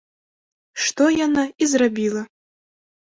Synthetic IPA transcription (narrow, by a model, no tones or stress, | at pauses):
ʂt̪ɔjanaizɾabʲilˠɐ